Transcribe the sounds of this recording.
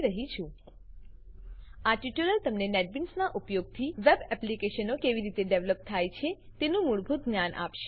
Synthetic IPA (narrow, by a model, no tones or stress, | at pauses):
ɾəɦit͡ʃʰũ | aʈiʈuɾəlt̪əmnenɛʈ̚binsnaʔupjoɡ̚t̪ʰiʋɛbɛplikeʃənokeʋiɾit̪eɖeʋləp̚t̪ʰajt͡ʃʰet̪enũmuɭbʱut̪̚ɡnjanʔa̰pʃe̥